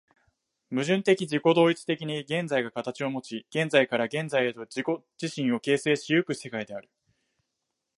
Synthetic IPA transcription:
mɯ̟ʑɨ̃nt̪e̞kʲid͡ʑiko̞d̪o̞ːit͡sɨ̥t̪e̞kʲiɲ̟iɡẽ̞nd͡zaiɡakat̪at͡ɕio̞mo̞t͡ɕiɡ̥ẽ̞nd͡zaikaɾaɡẽ̞nzaied̪o̞d͡ʑiko̞ | d͡ʑ̥iɕĩɰ̃o̞ke̞ːse̞ːɕijɯkɯ̟se̞kaid̪e̞aɾɯ̟̥

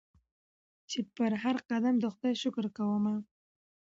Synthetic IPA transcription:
t͡ʃepəɾɦaɾqad̪amd̪əxd̪ɑjʃʊkɾkawəma

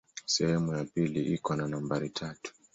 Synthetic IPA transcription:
sɛhɛmujapiliʔikɔnanambaɾitʰatu̥

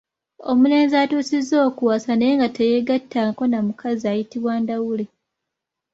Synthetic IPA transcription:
o̞muleːnziatuːsizːo̞ːkuwasanejeŋɡateje̞ɡatʰːaːko̞namukʰaziajitiβwaːndawule

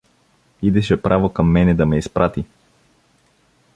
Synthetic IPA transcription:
id̪ɛʃɛpɾʔavokɐmːɛnɛd̪ɐmɛispɾʔat̪i

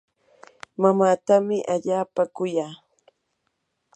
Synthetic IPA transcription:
mamaːt̪amɪʔaʎaːpakʊjaː

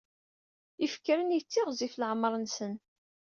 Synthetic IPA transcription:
ifkːɾənjət͡sːɪʁzifləʕmɾˤənsən

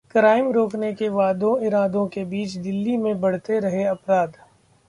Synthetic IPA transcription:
kɾaːɪmɾoːknekeʋaːd̪õɪɾaːd̪õkebiːt͡ʃd̪ɪlːimẽbɐɽ̤t̪eɾɐɦeɐpɾaːd̪

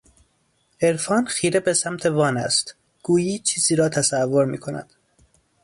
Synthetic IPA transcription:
e̞ɾfɒːnxiːɾebesæmt̪ʰe̞vɒːnæ̰st̪ | ɡ̥uːjiːt͡ʃʰiːziːɾɒːt̪ʰæsævːo̞ɾmḭːkʰo̞næ̰d̪̥

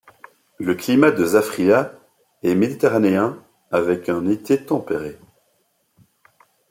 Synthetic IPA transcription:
ləklimad̪əzafχia | ɛmed̪it̪eʁaneɛ̃ | avɛkɛ̃net̪et̪ɑ̃peʁe

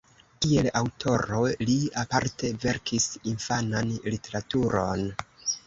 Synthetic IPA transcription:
tie̞lawtʰo̞ɾo̞liapaɾte̞ve̞ɾkʰisinfananlite̞ɾatuɾo̞n

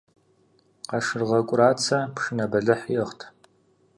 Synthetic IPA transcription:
qɑʂɨrʁɐkʷʼʊraːt͡sʰɐpʂɨnɐbɐɮɨħjɛχtʰ

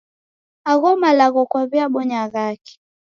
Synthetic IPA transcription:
aɣɔmalaɣɔkwaβiaɓɔɲaɣaki̥

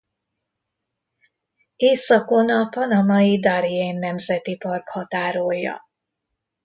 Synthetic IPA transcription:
eːsɒko̞nɒpɒnɒmɒid̪ɒɾieːnːɛmzɛt̪ipɒrkhɒt̪aːɾojːɒ̰

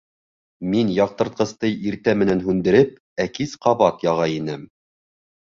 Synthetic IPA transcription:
minjɑq̚t̪ɤ̆ɾt̪̚qɤ̆st̪ɤjiɾt̪æmɘ̆nænɦʉnd̪ɘ̆ɾɘp̚ | ækisqɑβɑt̪jɑʁɑinɘm

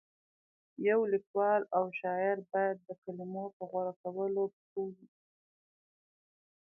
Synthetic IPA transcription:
jawlikwɑlawʃɑɪɾbɑjad̪ːəkalimopəɣwaɽakawəlokowi

